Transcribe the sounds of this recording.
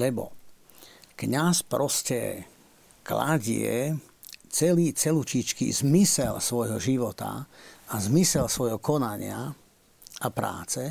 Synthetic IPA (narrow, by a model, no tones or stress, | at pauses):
lɛbɔ̰ | kɲaspɾɔscɛ̰ | kla̰ɟɪɛ̰ | t͡sɛliːt͡sɛlut͡ʃit͡ʃkḭzmisɛlsʋɔjɦɔʒiʋɔt̪a̰azmisɛlsʋɔjɦɔkɔnaɲɪa | ʔapɾa̰ːt͡sɛ